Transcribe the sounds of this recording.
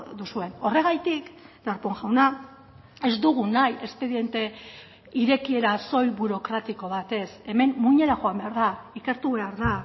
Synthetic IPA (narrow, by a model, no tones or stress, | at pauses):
d̪usue̞no̞re̞ɣ̞ajt̪ikd̪aɾpoŋʝawna | e̞zd̪uɣ̞unajʔe̞spe̞ðie̞nt̪e̞ | iɾe̞kie̞ɾaso̞jβuɾo̞kɾat̪iko̞β̞at̪e̞se̞me̞mmuɲe̞ɾaʝo̞ambe̞aɾðaike̞ɾt̪uβe̞aɾða